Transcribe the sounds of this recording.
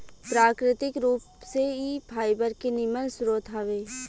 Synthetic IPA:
pɾaːkɾɪt̪ɪkɾuːpseipʰaːjbəɾkenɪmənsʊɾoːt̪ʰaːʋeː

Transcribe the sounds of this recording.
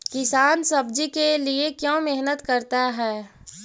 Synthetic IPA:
kɪsaːnsɐbd͡ʒikeliekjõːmeɦnət̪kəɾt̪aɦɛː

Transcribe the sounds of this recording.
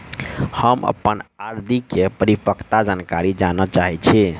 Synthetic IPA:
həmə̰pənaɾd̪ʱikepəɾipəkt̪ad͡ʒankaɾid͡ʒanət͡ʃaɦɛt͡ʃʰi

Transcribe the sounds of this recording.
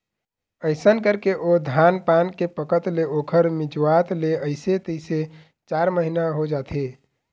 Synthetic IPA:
əɪsənkəɾkeʔod̪ʱanpankepəkət̪leokʰəɾmid͡ʒwat̪leəɪset̪əɪse | t͡ʃaɾməɦinaɦod͡ʒat̪ʰe

